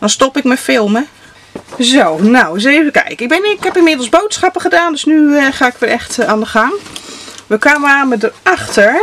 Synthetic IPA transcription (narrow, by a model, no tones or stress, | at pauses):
d̥ɔnstɔpɪk̚mɛfɪlˠmə | zownaws̬evəkɛ̰jkɪɡ̚bɪnkhɛpɪnmɪdl̩ˠsbowtsχɑpəχədaːndøsnyχaːɪkʋɛlˠɛxtaːndəχaŋ | ʋəkwaːməaːmɛdəaxtəɹ